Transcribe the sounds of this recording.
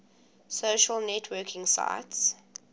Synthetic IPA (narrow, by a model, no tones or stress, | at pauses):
soʃəlnɛtʰwɜkʰɪ̃ŋsa̰ɪts